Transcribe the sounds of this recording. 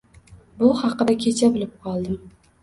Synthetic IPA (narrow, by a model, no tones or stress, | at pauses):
bʊhɑqɨd̪akʲʰet͡ʃʰabɪlɪp̚qʰɒlˠd̪ɪm